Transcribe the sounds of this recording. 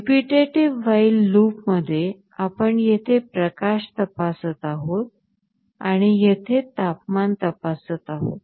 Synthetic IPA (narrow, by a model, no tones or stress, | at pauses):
piʈeʈiʋːailːupməd̪ʱːje | apəɳjet̪ʰepɾəkaɕt̪əpasət̪aɦot̪̚ | a̰ɽ̃ijet̪ʰet̪ap̚mant̪əpasət̪aɦo̰t̪̚